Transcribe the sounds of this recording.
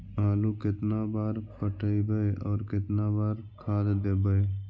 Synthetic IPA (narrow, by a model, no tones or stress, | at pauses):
aːlukɪt̪nabaːɾpəʈʰəibəeɔːɾkɪt̪nabaːɾkʰaːd̪d̪eːbəe